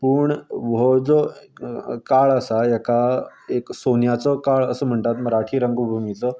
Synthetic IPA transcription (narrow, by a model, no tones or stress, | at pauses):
puːɳʋod͡zo | kaɭasajekaeksonjat͡sɔkaɭəsəːm̤əɳt̪at̪məɾaʈʰiːɾəŋɡubʱumit͡sɔ